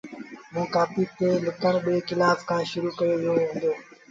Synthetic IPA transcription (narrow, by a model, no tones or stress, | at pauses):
mũːkaːpiːt̪eːlʊk̪əɳ̃ɓeːkɪlaːbkʰãːʃʊɾuːkəjoːʋɪjoːʋẽːnd̪joː